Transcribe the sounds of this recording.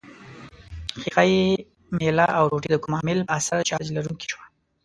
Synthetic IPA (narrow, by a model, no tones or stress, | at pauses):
xiqaji | melaʔawɾoʈid̪əkʊmɑmɪlasaɾt͡ʃɑd͡ʒlaɾuŋki̥ʃwa